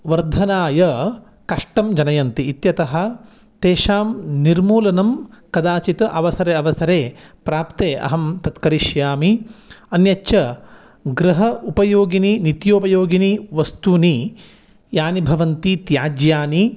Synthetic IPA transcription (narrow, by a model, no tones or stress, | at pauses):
ʋɐɾd̪ʱɐnaːjɐ | kɐʂʈɐmd͡ʒɐnɐjɐnt̪iːt̪jɐt̪ɐɦɐ̆ | t̪eːʃaːmniɾmuːlɐnɐmkɐd̪aːt͡ʃit̪ɐʔɐʋɐsɐɾeːɐʋɐsɐɾeːpɾaːpt̪eːʔɐ̰ɦɐmt̪ɐt̪kɐɾiʃjaːmiɐnjɐt͡ʃːʃɐ | ɡɾɐɦɐʔupɐjoːɡininit̪joːpɐjoːɡiniʋɐst̪uni | jaːnibʱɐʋɐnt̪it̪jaːd͡ʒjaːni